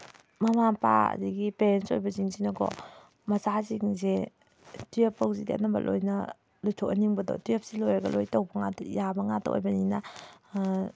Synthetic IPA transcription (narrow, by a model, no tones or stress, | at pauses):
mɐmapa̰ɐ̰diɡipeɾenso̰jbɐziŋzinɐɡɔ̰ | mɐzaziŋze | tujepːɐwzidḛt̚nɐbɐ̰lʔojnɐ | lujtʰɔkɐniŋbɐdɔ̰tujep̚silojɐɡɐ̰lojtɐwbɐŋatjabɐŋata̰ʔo̰jbɐninɐ